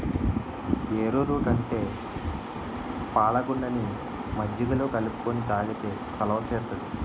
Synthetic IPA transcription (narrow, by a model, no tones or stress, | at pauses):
eːɾuːɾuːkɐɳʈe̞ː | paːɭɐɡuɳɖɐni | mɐd͡ʒːɐd̪ɐloːkɐlupu̥konit̪aːlɐkeːsɐlɐʋɐseːɾt̪ːɐd̪i